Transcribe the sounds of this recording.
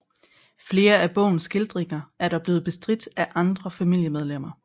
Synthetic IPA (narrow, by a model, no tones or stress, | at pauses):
fle̝ːɐæb̥ɔ̰̽ʊ̰n̩sɡ̥e̝ld̥ʁeŋɐæɐdɾɑ̈b̥liːð̩ˠb̥e̝sd̥ʁid̥æʔɑ̈nd̥ʁɐfæmil̰jəmeð̞ˠlem̰ɐ